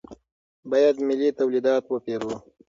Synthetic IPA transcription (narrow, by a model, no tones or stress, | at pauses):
bɑjad̪mɪlit̪awlid̪ɑt̪wəpeɾu